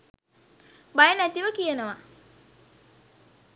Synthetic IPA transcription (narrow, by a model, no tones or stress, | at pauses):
bajənæt̪iʋəkijenəʋa